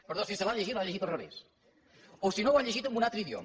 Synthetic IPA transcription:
pəɾðosiselaʎeʒit̪laʎeʒit̪olreβḛs | osinowaʎeʒit̪ẽŋɡunalt̪ɾəiðjo̰m

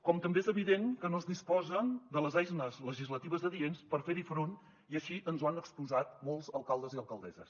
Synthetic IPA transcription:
kɔmt̪əmbeezəβ̞iðeŋkənoəzdispɔzəd̪ələzajznəzləʒizlət̪iβəzðəðienspəɾfeɾifɾon | iəʃiʔənzwanəkspuzat̪̚molˠzəlˠkalˠd̪əziəlˠkəlˠd̪ɛzə̰s

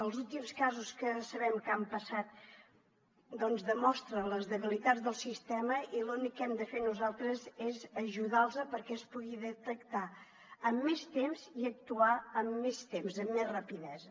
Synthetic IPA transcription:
əlˠzulˠt̪imskazuskəsəβɛmkampəsat̪̚ | d̪ɔnzðəmɔst̪ɾələzðəβilit̪add͡zðəlˠsist̪ɛməʔilunikːɛmd̪əfenuzalˠt̪ɾəzezəʒuðalˠzəpəɾkɛəspuɣiðət̪əkt̪a | əmːest̪emziək̚t̪uaəmːest̪emzəmːezrəpiðɛzə

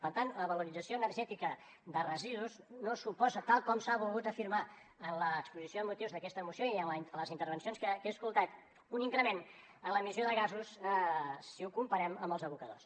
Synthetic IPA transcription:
pənt̪anləβəluɾidd͡zəsioənərʒɛt̪ikə | ðərəziðuznosupɔzət̪alˠkɔmsaβulˠɣut̪əfiɾma | ənləːkspuzisjoðəmut̪iwzðəkɛst̪əmusjoiələzint̪əɾβənsionskəkeskulˠt̪at̪ | uniŋkɾəmen | ənləmizjoðəɣazusəsiukumpəɾɛməmbəlˠzəβukəðos

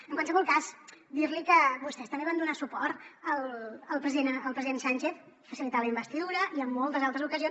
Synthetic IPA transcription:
əŋkwansəβɔlˠkazd̪iɾlikəβust̪ɛst̪əmbeβand̪unasupɔɾt̪əlˠəlˠpɾəziðenəlˠpɾəziðensanʲt͡ʃeθ | fəsilit̪aləimbəst̪iðuɾəʔiəmːɔlˠt̪əzalˠt̪ɾəzukəzions

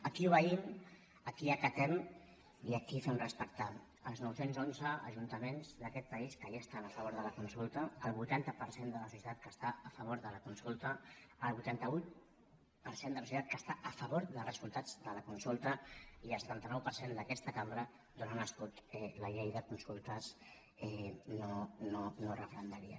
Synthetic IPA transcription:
əkiuβəim | əkiakət̪ɛm | iəkifɛmrəspək̚t̪a | əlˠznɔwsenzonzəə̰ʒunt̪əmenzðəkɛt̪̚pəiskəʒast̪anəfəβoɾðələkunsulˠt̪əːlˠβujt̪ant̪əpəɾsend̪ələsusit̪at̪̚kəst̪aːfəβ̞oɾðələkunsulˠt̪əːlˠβujt̪ant̪əu | pəɾsend̪əlsusit̪at̪̚kəst̪aʔəfəβoɾðəlˠrəsulˠt̪ad͡zðələkunsulˠt̪əiəlsət̪ant̪ənɔwpəɾsend̪əkɛst̪əkambɾə | d̪uɾanəskut̪ɛləʎejðəkunsulˠt̪əs | ɛnononorəfɾənd̪əɾiə̰

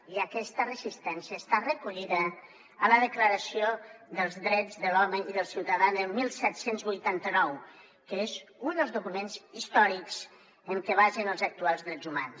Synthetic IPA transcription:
iəkɛst̪ərəzist̪ɛnsiəst̪arəkuʎiðəː | ləðəkləɾəsioðəlˠzðɾɛd͡zðəlɔməiðəlˠsiwt̪əðaəlmilˠsɛt̪senzβujt̪ant̪ənɔw | kəezund̪əlˠzðukumenzist̪ɔɾikz̥ | əŋkəβaʒənəlˠzək̚t̪ualˠzðɾɛzumans

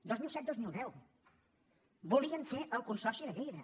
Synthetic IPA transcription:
d̪ozmilˠsɛt̪̚d̪ozmilˠd̪ɛw | buliənseʔəlˠkunsɔrsiðəɣejðə

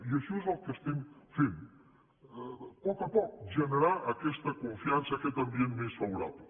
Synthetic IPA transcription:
iəʃɔezəlˠkəst̪ɛmfem | pɔkəpɔk̚ʒənəɾaʔəkɛst̪əkuɱfiansəːkɛt̪əmbienmesfəβuɾa̰plə

